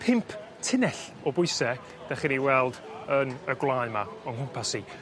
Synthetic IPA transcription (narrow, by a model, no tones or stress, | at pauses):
pʰɪmpʰ | tʰɪnɛɬ | ɔbʊɨsɛ | d̥aχiniwɛlˠdənəɡlˠaɨmaɔnkʰʊmpʰasi